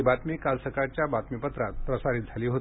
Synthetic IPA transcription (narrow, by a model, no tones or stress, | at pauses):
ibat̪mikalsəkaɾt͡ɕjabat̪mipət̪ɾat̪̚pɾəsaɾit̪̚d͡zʱaliːɦot̪i